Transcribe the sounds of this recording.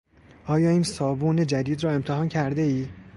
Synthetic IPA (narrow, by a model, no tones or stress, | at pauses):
ʔɒːjɒːiːnsɒːbuːne̞d͡ʒæd̪iːd̪ɾɒːe̞mt̪ʰeɦɒːncʰæɾd̪eiː